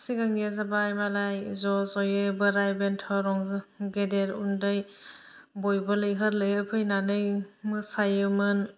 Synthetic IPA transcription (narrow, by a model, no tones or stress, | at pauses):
siɡaŋezabajmalajzɔsɔjebɯɾajbentʰɔɾɔŋɡedeɾundɯj | bojbɯlɯjɦɯɾlɯjɯpʰɯjnanɯjmɯsajɯmɯn